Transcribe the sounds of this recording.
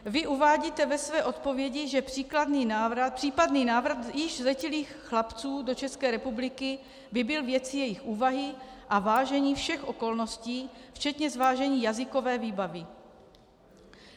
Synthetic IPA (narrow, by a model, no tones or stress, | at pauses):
vɪʔuvaːɟiːt̪ɛvɛsvɛːʔo̞t̪po̞vjɛɟɪʒɛpr̥iːkladniːnaːvɾapr̥iːpadniːnaːvɾat̪jɪʒzlɛcɪliːxxlapt͡suːdo̞t͡ʃɛskɛːɾɛpublɪkɪ | vɪbɪlvjɛt͡sɪjɛjɪxʔuːvaɦɪʔavaːʒɛɲiːfʃɛxʔo̞ko̞lno̞sciːft͡ʃɛt̪ɲɛzvaːʒɛɲiːjazɪko̞vɛːviːbavɪ